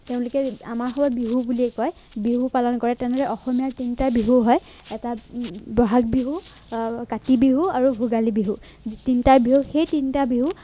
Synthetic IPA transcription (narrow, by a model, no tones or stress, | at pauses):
teʊ̃lʊkɛamaɹxɔbɔbiɦubuliɛkɔj | biɦupalɔnkɔɹɛtɛ̃ndɔlɛʔɔxɔmijaɹtintabiɦuɦɔj | ɛtabɹɔɦak̚biɦu | katibiɦuaɹubʱuɡalibiɦu | tintabiɦuxejtintabiɦu